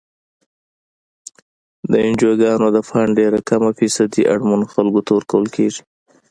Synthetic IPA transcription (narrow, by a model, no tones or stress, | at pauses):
d̪əɪnd͡ʒoɡɑnod̪əfaɳɖeɾakamafisad̪iʔa̰ɽmanxalɡot̪awəɾkawəlkeʐi